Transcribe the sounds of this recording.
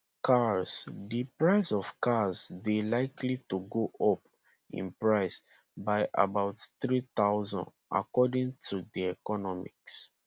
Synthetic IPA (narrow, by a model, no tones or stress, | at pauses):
kʰasdipɹaɪsɔv̥kazdelaɪkʰlituɡoʔɔp | ḭ̃npɹaɪs | baɪʔa̰baʊtθɹit̪aʊzɔ̰̃n | a̰kɔdĩŋtʰudiɛkɔnɔmḭks